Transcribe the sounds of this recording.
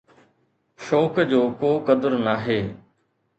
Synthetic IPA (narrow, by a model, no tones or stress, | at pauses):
ʃɔːkd͡ʑoːkoːkəd̪əɾnaːɦeː